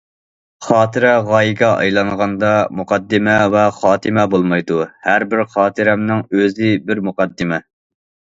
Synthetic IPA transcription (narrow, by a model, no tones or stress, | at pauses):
χɑːt̪ʰɨɾɛʁɑːjiɡʲɛʔɑ̰jlˠɑŋʁɑnd̪ɑmuqʰɑd̪ːɪmɛvɛχɑːt̪ʰɨmɛbolˠmɑjd̪uhæɾbɪɾχɑːt̪ʰɨɾɛmnɪŋøzɪbɪɾmuqɑd̪ːɪmɛ